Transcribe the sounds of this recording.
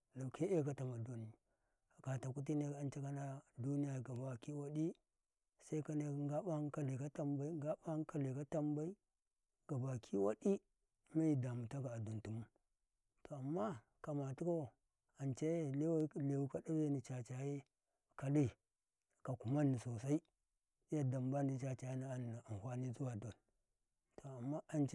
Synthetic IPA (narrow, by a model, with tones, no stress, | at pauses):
la˨ke˦e˦˨ka˦ta˨ma˨do˦ni˨ | a˨ka˨ta˨ku˦t̬i˦ne˦˨a˨nt͡ʃe˦ka˦na˦du˦ni˦ja˨ɡa˨ba˦ki˦wa˦di˦ | sa˦i˦ka˦ne˦ŋɡa˦ba˦ŋ˦ka˨le˨ka˦ta˦mba˦i˦ŋ˦ɡa˦ba˦ŋ˦ka˦le˨ka˦ta˦mba˦i˦ | ɡ̥a˨ba˨kʰi˦wa̰˦di˦ | ma˦ji˨da˨mu˨ta˦ɡa˨a˨du˨ntu˨mu˦ | to˨a˨mːa˦ | ka˨ma˨tu˦ko˦˨ | a˨nt͡ʃa˦e˦le˦wa˦le˨wu˦ka˦da˦be˦ni˨t͡ʃa˨t͡ʃa˨je˦ | ka˨li˦˨ | ka˨ku˨ma˦nːi˨so˨sa˦i˦ | ja˨da˨mba˦ni˦t͡ʃa˨t͡ʃa˨ji˦na˦˨n˨a˨n˨hʷa˦ni˦zu˦wa˨do˨n | to˨a˨mːa˦a˨nt͡ʃ